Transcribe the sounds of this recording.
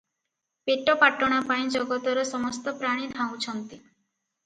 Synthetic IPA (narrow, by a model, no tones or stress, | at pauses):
peʈɔpaʈɔɽ̃apaĩd͡ʒɔɡɔt̪ɔɾɔsɔmɔst̪ɔpɾaɽ̃id̪ʱãw̃t͡ʃʰɔnt̪i